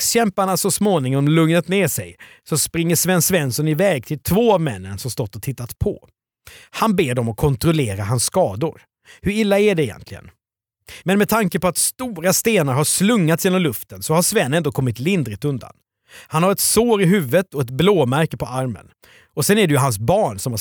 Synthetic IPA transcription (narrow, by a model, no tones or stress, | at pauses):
kɕɛmpaɳasɔsmoːnɪŋɔmlɵŋnət̪neːʂɛjsɔspɾɪŋːəʂvɛnsvɛnsɔnɪvɛːɡ̚t̪ʰɪlt̪ʰvoːavmɛnːənsɔmst̪ɔt̪ːɔt̪ʰɪt̪ːat̪pʰɔ̰ | hanbeːɖɔmɔkʰɔnt̪ɾɔleːɾaɦansːkɑːd̪ʊɾ | hɵɾɪlːaæɖɛɪjɛ̰nt̪lɪɡə̰n | mɛnmɛt̪ʰaŋkəpɔat̪st̪uːɾast̪eːnaɾhaʂlɵŋːat̪sjeːnɔmlɵft̪ənsɔhaʂvɛnːɛnd̪oːkʰɔmːɪt̪lɪnd̪ɾɪt̪ɵnd̪a̰n | hanhaɾɛt̪soːɾɪɦʉ̟ːvət̪ɔɛt̪bloːmæɾkəpʰɔaɾmə̰n | ɔsɛnæɖɛjɵɦans̬bɑːɳsɔma